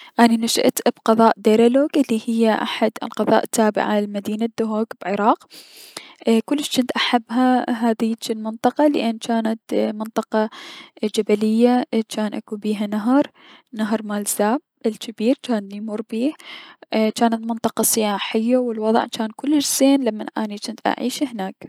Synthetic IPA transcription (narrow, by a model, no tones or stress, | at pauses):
ʔaninaʃɪ̰ʔt̪bqɑðˤɑːʔd̪eːɾaloːɡʔɪlːihɪjːaʔa̰ħad̪ɪ̰lqɑðˤɑ̰ːʔt̪ʰːaːbɪ̰ʕa̰lmad̪iːnad̪̥ːʊɦoːɡb̥ʕɪɾˤɑːq | kʊlːɪʃt͡ʃɪnt̪ʔaħabːɦaɦaːðɪjt͡ʃɪlmɪnt̪ˤɑqɑlɪ̰ʔɪnːt͡ʃaːnat̪mɪnt̪ˤɑqɑd͡ʒabalɪjːat͡ʃaːnʔa̰kubiːɦanaɦɑɾˤ | naɦɾˤmaːlz̥aːb | ɪlkɪbiːɾt͡ʃaːnmuɾˤbiːh | t͡ʃaːnat̪mɪnt̪ˤɑqɑsɪjaːħɪjːawɪlwɑðˤʕt͡ʃaːnkʊlːɪd͡ʒseːnlamːanʔaːnit͡ʃɪnt̪ʔa̰ʕiːʃhnaːk